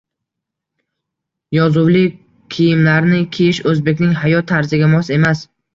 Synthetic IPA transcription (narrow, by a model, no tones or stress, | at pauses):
jɒzʊwlɪ | kʲʰijɪmlaɾnɪkʲʰijɪʃɵzbe̞kʲnɪŋɦajɒt̪ʰːaɾzɪɡʲamɒse̞mas